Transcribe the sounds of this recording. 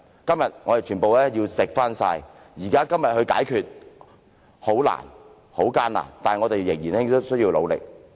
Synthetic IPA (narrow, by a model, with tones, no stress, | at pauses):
kɐ˥mjɐ˨t̚ŋɔː˨˧de˨jt͡ʃʰyː˨˩npo˨wlɛː˥jiː˧wsɪ˨k̚faː˥nsa̰ː˧j | jiː˨˩kaː˥kɐ˥mjɐ˨t̚hɵ˧ɥka̰ː˨˥jkʰyː˨t̚ | ho˨˥wla̰ː˨˩n | ho˨˥wkaː˥nla̰ː˨˩nt̪aː˨˩nŋɔ˨˧t̪e˨jːɪ˨˩ŋjiː˨˩nhɪ˥ŋt̪o˥wsɵ˥jiː˧wlo̰˨˧wlɪ̰˨k̚